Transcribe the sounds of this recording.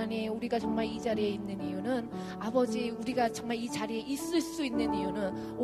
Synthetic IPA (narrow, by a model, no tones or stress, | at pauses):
aneuɾiɡat͡ɕʌŋmaɭid͡ʑaɾieinːɯnijunɯn | abʌd͡ʑiuɾiɡat͡ɕʌŋmaɭit͡ɕaɾie̞ʔis͈ɯɭs͈uinːɯnijunɯn | o